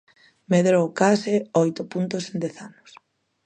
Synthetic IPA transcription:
meðɾowkasɪɔjt̪ʊpunt̪osend̪ɛθanʊs

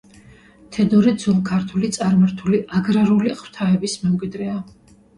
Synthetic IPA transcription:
t̪ʰɛd̪ɔɾid̪zulˠkʰaɾt̪ʰulit̪sʼaɾmaɾt̪ʰuliʔaɡɾaɾuliχw̥t̪ʰaɛbismɛmkʼwid̪ɾɛa

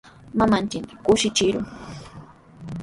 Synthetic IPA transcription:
mamant͡ʃɪkmɪkʊʃɪt͡ʃɪɾʊŋ

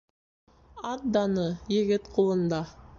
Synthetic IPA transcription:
ɑt̪̚d̪ɑnəjeɡʲɪt̪qʰolˠənd̪ɑ

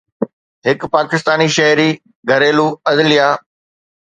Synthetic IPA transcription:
ɦɪkpaːkɪst̪aːniʃɐɦɾi | ɡʱɐɾeːluɐd̪lijaː

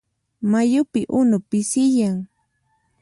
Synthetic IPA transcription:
majʊpɪʔʊnʊpɪsɪjaŋ

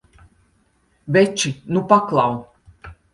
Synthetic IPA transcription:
vʲɛt͡ʃinupaklˠaw

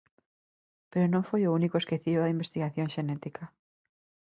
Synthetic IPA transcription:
peɾonõŋfojounikoeskeθioðɐimbest̪iɣaθjõŋʃenɛt̪ikʰa

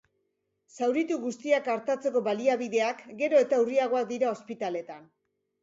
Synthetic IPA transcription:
sawɾit̪uɣust̪iakaɾt̪at͡se̞ko̞βaliaβiðe̞akɡe̞ɾo̞e̞t̪auriaɣ̞o̞ak̚d̪iɾao̞spit̪ale̞t̪an

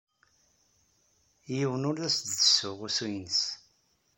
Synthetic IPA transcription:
jiwənʊlæsd̪ðəsʊʁʊsujnəs

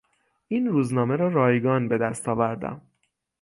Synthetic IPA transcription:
ʔiːnruːznɒːme̞ɾɒːɾɒːjɡɒːnbe̞d̪æst̪ʰɒːvæɾd̪æ̰m

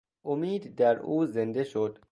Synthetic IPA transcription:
ʔomiːd̪ːæɾuːzend̪eʃod̪̥

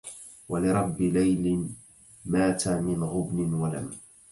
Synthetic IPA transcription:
walɪɾˤɑbːɪlajlɪ | maːt̪amɪnɣʊbnɪnwala̰m

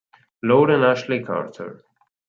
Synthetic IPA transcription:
loːɾə̃næʃlikʰa̰ɹtʰə̰ɹ

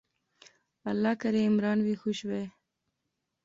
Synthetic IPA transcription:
alːɑkaɾeɪmɾɑːnwixuʃwe

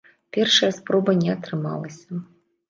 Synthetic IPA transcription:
pʲɛrʂɐjɐspɾɔbɐnʲɛɐt̪ɾɨma̰lˠɐsʲɐ

